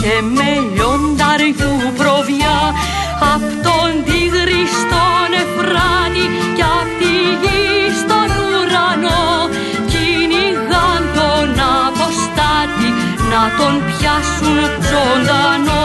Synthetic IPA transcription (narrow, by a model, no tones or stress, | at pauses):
ce̞meʎondɐɾθupɾo̞vjɐ | ɐft̪ond̪iɣɾist̪onefɾɐni | ceɐft̪iʝist̪o̞nuɾɐno | ciniɣɐnd̪o̞nɐpo̞st̪ɐt̪i | nɐt̪o̞npçɐsunzond̪ɐno